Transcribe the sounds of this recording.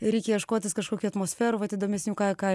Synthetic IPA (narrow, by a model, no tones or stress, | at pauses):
ɾʲɛɪkʲɛjɛʃkoːt̪ʲɪskɐʃkoːkʲuːɐt̪moːsʲfʲæːɾuːʋɐt̪id̪oːmʲɛsʲnʲuːkɑːkɑ